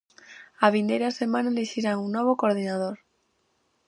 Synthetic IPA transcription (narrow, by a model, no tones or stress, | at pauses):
aβind̪ejɾasemãnaleʃiɾaŋuŋːoβ̞okoɾð̞inað̞oɾ